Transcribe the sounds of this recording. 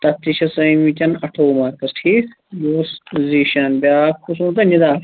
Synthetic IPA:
t̪ɐt̪ːiʃʰɐsɐĩmit͡ʃʲɐnɐʈʰoːmɐkɐsʈʰi | joːsziːʃɐnbʲaːkʰusũːt̪ɐnid̪aː

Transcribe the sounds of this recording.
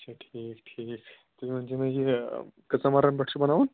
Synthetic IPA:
t͡ɕʰaʈʰiːkʈʰiːk | t̪umim̤əɳd͡ʑeməɦikət͡samaɾənbəʈʂəbənaʋuːn

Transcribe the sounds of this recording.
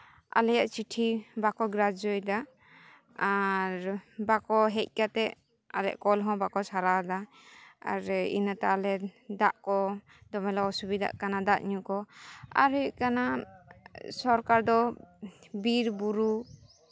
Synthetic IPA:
a̰lɛjaʔt͡ʃiʈʰibakɔɡɾad͡ʒɔjd̪a | aɾbakɔɦɛc̚ˀkat̪ɛʔ | alɛ̰ʔkɔlɦɔ̃bakɔsʰaɾad̪a | a̰ɾḭnat̪aːlɛd̪aʔkɔ | d̪ɔmɛlaɔsubid̪a̰ʔkanad̪aʔɲukɔa̰ɾiʔkana | sɔɾkaɾd̪ɔ | biɾbuɾu

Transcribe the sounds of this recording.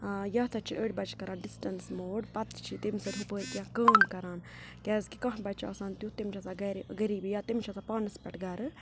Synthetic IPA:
jɐːt̪ʰɐt͡ʃʰiʔəːɽʲbɐt͡ʃʰkɐɾaːnɖisʈɐnsmoːɖpɐt̪t͡ʃʰit̪imsɐɾɦipəːɾkʲjãːkəːmkɐɾaːn | kʲɛːzkikɐ̃ɦbɐt͡ʃʰa̰ːsaːnt̪jut̪imt͡ʃʰɐzaɡɐɾɡɐɾiːbjaːt̪imt͡ʃʰɐzapaːnɨspʲɛʈɡɐɾɨ

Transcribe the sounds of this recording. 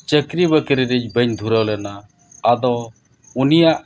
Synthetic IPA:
t͡ʃəkɾibəkəɾiɾid͡ʒbəɲd̪ʱuɾəwlɛnaː | d̪ɔ̃ | unijaʔ

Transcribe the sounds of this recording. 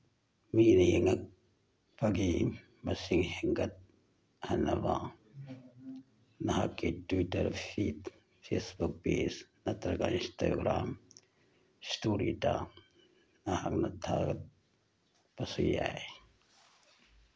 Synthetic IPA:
miːnijiŋɐk̚ | pɐɡi | mɐsiŋheŋɡɐt̪̚ | hɐnɐʋa | nɐɦakːeʈuwiʈɐɾfiːt̪ | fʰeːsbuk̚peːsnɐt̪ɐɾkainsta̰ɡɾaːm | stuːɾḭta | nahaknɐt̪ʰa̰ɡɐt̪̚ | pɐsuja̰e

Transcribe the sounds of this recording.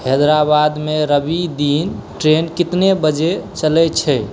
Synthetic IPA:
hed̪ɾabad̪meɾəbid̪inʈɾenkit̪nebəd͡ʒet͡ʃəlɛt͡ʃʰɛ

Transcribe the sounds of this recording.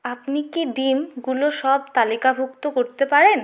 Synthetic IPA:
apnikiɖimɡuloʃɔb̚t̪alikabʱuk̚t̪okoɾt̪epaɾen

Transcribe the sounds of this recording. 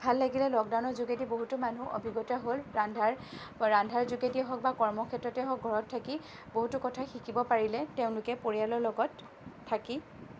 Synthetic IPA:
bʱalːaɡilɛlɔk̚dawnɔɹzuɡetiboɦutʊmanuʔo̰bʱiɡɔtaɦolɹandʱaɹ | ɹandʱaɹzuɡetiɦɔk̚bakɔɹmɔkʰɛtɹɔtɛɦɔk̚ɡʱɔɹɔtʰːaki | boɦutʊkɔtʰaxikibɔpaɹilɛteʊ̃lʊkɛpoɹijalɔɹlɔɡɔtʰː | aki

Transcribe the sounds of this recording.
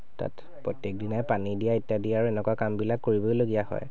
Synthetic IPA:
ta̰t | pɹɔtjek̚dinajpanidijaitːadijaaɹuɛnɛkwakambilakːoɹibojloɡijahɔ̰j

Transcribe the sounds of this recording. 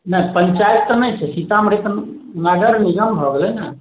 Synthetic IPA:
nəpəɲt͡ʃaːjət̪ːɔnɐĩt͡ʃʰesit̪amɾit̪ə | nəɡəɾniɡəmbʱɔɡlena

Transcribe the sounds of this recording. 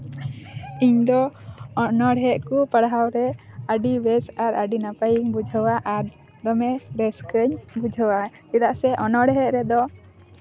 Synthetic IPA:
iɲd̪ɔ | nɔɽɦɛʔ̪kupəɽɦawɾɛaɖiwɛsaɾaɖinapajiŋbud͡ʒʱəwaʔaɾ | d̪ɔmɛɾɛskəɲbud͡ʒʱəwat͡ʃid̪aʔsɛʔɔnɔɽɦɛʔ̪̚ɾɛd̪ɔ

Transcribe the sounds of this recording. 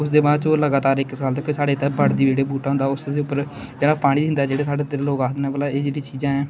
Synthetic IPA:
ʊsd̪eːbãːt͡ʃoːləɡaːt̪aːɾɪksaːlt̪əkːsaːɖeːt̪ɛːbəɽd̪iːd͡ʒeːɽeːbuːʈaːɦʊnd̪aːʊsd̪eːʊpːəɾ | d͡ʒeːɽaːpaːɽ̃iːiɪnd̪aːd͡ʒeːɽeːsaːɖeːt̪ɾeːloːkaːsd̪nɛːʋəlaːeːd͡ʒeːɽiːt͡ʃiːzãːɛ̃ː

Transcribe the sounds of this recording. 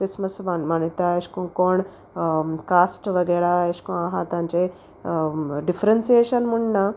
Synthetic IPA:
kɾisməsʋanmanit̪aeɕkũkoɳ | kasʈʋəɡɛɭaeɕkoaɦãt̪ãɲt͡ɕe | ɖifɾensijeɕənmuɳːa

